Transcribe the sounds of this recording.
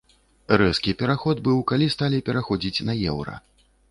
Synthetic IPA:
rɛskʲipʲɛɾaxɔd̪bɨwkalʲist̪alʲipʲɛɾaxɔd͡zʲit͡sʲnɐjɛwɾɐ̰

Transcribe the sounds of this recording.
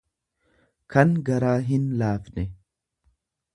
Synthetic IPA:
kʰɐŋɡɐɾaːɦɪnlaːfnɛ

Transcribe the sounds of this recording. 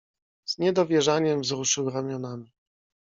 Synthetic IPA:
zɲɛd̪ɔvʲjɛʐaɲɛmvzɾuʂɘwɾamʲjɔnamʲi

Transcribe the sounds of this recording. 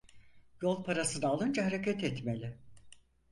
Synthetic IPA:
jo̞lˠpʰaɾasɯnaːlˠɯnd͡ʒaɦaɾecʰat̪ɛt̪melʲɪ

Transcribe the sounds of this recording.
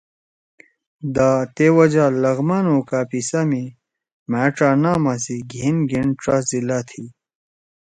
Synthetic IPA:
d̪at̪ewɐd͡ʑalɐɣmanoːkaːpisami | maːʈ͡ʂaːnaːmasiɡʱinɡiɳʈ͡ʂazilat̪ʰi

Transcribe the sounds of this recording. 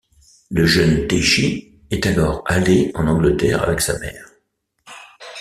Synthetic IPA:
ləʒənt̪eʃi | ɛt̪alɔʁaleɑ̃nɑ̃ɡlət̪ɛ̰ʁa̰vɛksamɛ̰ːʁ

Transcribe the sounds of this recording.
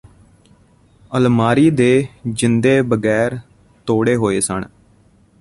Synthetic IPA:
əlmaːɾiːd̪eːd͡ʒɪnd̪eːbəɡɛːɾ | t̪oːɽeːɦoːeːsə̰ɳ

